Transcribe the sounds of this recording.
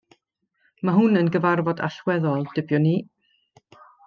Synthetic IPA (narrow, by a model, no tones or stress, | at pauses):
maɦʊnənɡəvarvɔda̰ɬwɛðɔlˠd̥ɪbjɔniː